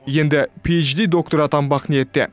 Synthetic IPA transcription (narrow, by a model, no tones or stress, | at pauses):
je̞nd̪ɪpʲʰejt͡ʃd̪ijd̪o̞k̚t̪oɾɑt̪ɑmbɑqnije̞t̪ːḛ